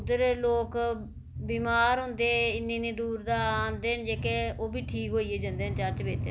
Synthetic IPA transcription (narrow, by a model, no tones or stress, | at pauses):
d̪əɾloːk | biːmaːɾɦʊ̃nd̪eːɪnːĩːnĩːd̪uːɾd̪aːnd̪eːɦənd͡ʒeːkeoːbiːʈʰiːkɦoːiːeːd͡ʒand̪eːɦənt͡ʃəɾt͡ʃbeːt͡ʃː